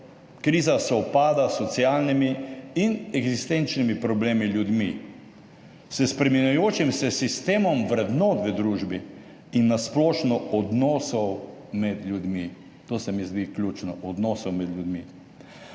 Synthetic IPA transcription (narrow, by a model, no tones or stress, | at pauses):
kɾiːzasɔpaːd̪asɔt̪sijaːlnimiinɛɡzist̪ent͡ʃnimipɾɔbleːmiljud̪mi | səspɾɛminajoːt͡ʃimsɛsist̪eːmɔmʋɾɛd̪nɔːt̪ʋəd̪ɾuʒbi | inːasplɔːʃnɔɔd̪nɔːsɔwmɛd̪lʲjud̪mi | t̪oːsɛmizd̪iklʲut͡ʃnɔʔɔd̪nɔːsɔwmɛd̪lʲjud̪mi